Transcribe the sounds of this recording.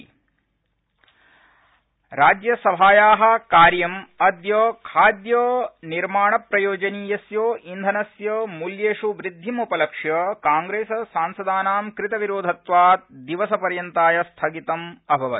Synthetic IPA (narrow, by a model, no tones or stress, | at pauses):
ɾaːd͡ʒjɐsɐbʱaːjaːɦɐ̆kaːɾjɐmɐd̪jɐkʰaːd̪jɐniɾmaːɳɐpɾɐjoːd͡ʒɐniːjɐsjoːʔind̪ʱɐnɐsjɐmuljeːʂuʋɾid̪ʱːimupɐlɐkʂjɐkaːŋɡɾeːsɐsaːnsɐd̪aːnaːmkɾɪt̪ɐʋiɾoːd̪ʱɐt̪ʋaːt̪̚d̪iʋɐsɐpɐɾjɐnt̪aːjɐst̪ʰɐɡit̪ɐmɐbʱɐʋɐ